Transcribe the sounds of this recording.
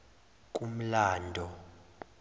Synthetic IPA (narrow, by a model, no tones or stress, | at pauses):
k̬ʼum̩laːndʱɔ